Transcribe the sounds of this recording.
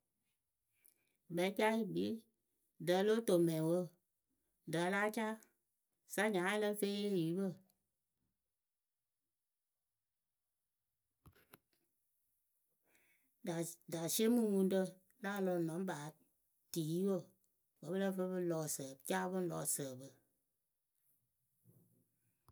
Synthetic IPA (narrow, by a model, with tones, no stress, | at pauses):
bɛ˨˦ka˦i˦bi˨˦ | də˨˦lo˦to˨mɛ̃˨wo˦ | dəː˨˦la˦t͡ʃa˦ | sa˦ɲã˨˦lə˦fe˦je˦˨ji˨˦bə˦˨ | a˨da˨si˦e˦mɨ˦wu˧˦n˦tə˧ | la˦lɔ˧˨nɔ̃˨˦m˦ba˨˦˨ | ti˨˦wo˦˨ | bə˨˦bə˦lə˦fə˧˦bɨ˦lɔ˧˨sə˨t͡ʃa˦bɨ˦lɔ˧˨sə˨bə˨